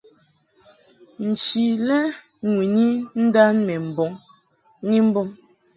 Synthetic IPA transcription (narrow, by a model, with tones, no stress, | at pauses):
n̩˨t͡ʃi˨lɛ˦ | ŋwi˨ni˦n̩˦da˦nmɛ˨m̩˨bɔ˨˦ŋ˦ | ŋi˦m̩˦bɔ˦m